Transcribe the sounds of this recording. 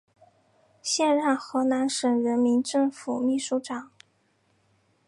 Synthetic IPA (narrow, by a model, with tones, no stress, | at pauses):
ɕjɛ˥˧nɻa˥˩nxɤ˧˥na˧˥nʂə˨˩ŋɻə˧˥nmi˧˥nʈ͡ʂɤ˥˩ŋfu˨˩mi˥˩ʂu˧˥ʈ͡ʂɑ˨˩˦ŋ